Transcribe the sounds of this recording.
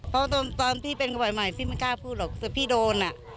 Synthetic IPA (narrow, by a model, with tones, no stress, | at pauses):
pʰɔ˦˥t̪ɔː˧nt̪ɔː˧npʰiː˥˩pe˧nka˧bɔ˨˩jma˨˩jt̪ʰiː˥˩ma˥˩kaː˥˩wpʰuː˥˩lɔː˨˩k̚t̪ɯ˨˩pʰiː˥˩doː˧na˨˩